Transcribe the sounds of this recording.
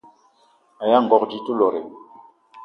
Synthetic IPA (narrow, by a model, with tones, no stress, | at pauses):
a˨ja˦ŋ̩˨ɡɔ˨kd͡ʒi˦tu˦lɔ˨ɾe˨